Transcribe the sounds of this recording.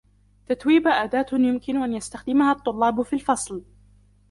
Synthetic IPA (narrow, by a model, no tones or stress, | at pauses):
t̪at̪wiːbaʔaːd̪aːt̪jʊmkɪnʔanjast̪axd̪ɪmahaːt̪ˤːʊlːɑːbfiːlfɑsˤl